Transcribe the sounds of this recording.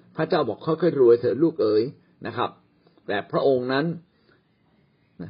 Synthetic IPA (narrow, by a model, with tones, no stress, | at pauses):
pʰɾa˦˥t͡ɕaː˥˩wbɔː˨˩kʰːɔː˥˩jkʰɔː˥˩jɾu˧əjt̪ʰɤː˩˦luː˥˩k̚ʔɤː˧j | na˦˥kʰɾa˦˥p̚ | t̪ɛː˨˩pʰɾa˦˥ʔo˧ŋna˦˥n˦˩